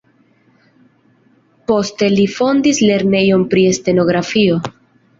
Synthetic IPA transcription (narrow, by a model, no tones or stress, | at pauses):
po̞ste̞lifo̞ndisle̞ɾne̞jo̞npɾie̞st̪e̞no̞ɡɾafio̞